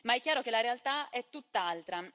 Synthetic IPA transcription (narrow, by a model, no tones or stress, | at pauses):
maɛkːjaːɾok̟elaɾealt̪aɛt̪ːut̪ːalt̪ɾa